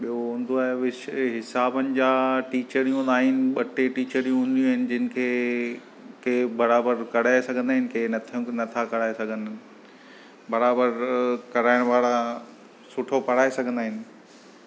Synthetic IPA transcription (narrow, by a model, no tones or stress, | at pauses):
ɓijoɦũːn̆d̪oaːɦeʋɪɦɪsaːbənɪ̆d͡ʑaːʈiːt͡ɕəɾijũaːɦɪnɪ̆ɓɐʈʰeʈiːt͡ɕəɾijũɦʊ̃n̆d̪ijũaɦɪnɪ̆d͡ʑɪnɪ̆kʰeː | keːbɐɾaːbəɾkɐɽ̤aːesɐɡʱə̃nd̪aːɦɪnɪkeːnɐt̪ʰnɐt̪ʰakɐɽ̤aːesɐɡʱə̃n | bɐɾaːbəɾkɐɾaːɪɽ̃ʋaːɽa | sʊʈʰopɐɽ̤aːesɐɡʱə̃nd̪aːɦɪnɪ̆